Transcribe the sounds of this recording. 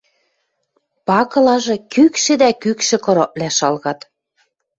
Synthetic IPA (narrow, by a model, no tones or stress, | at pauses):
pɑkɤ̆lɑʒɤ̆kykʃɘ̆d̪ækykʃɘ̆kɤ̆ɾoʔlæʃɑlɣɑt̪